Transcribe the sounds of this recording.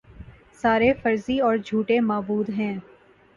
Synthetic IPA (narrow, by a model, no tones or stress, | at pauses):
saːɾefɐɾziɔːɾd͡ʒʱuːʈemaːbuːd̪ɦɛ̃ː